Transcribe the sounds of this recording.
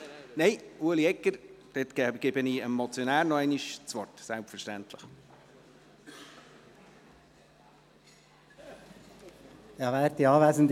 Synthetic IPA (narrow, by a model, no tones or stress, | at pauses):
nɛɪuəliɛkːəɾd̥̪et̪kɡ̥ɛbəniɛmːɔt͡sjɔnæːɾnɔɛɪniʃt͡sʋɔrtsɛlpfəʃtænt̪ləχ | jɑvæːɾt̪iɑːvæːzənd